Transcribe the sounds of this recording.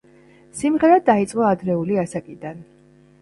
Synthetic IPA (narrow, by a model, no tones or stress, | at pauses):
simʁɛɾad̪ait̪sʼqʼɔad̪ɾɛuliasakʼid̪an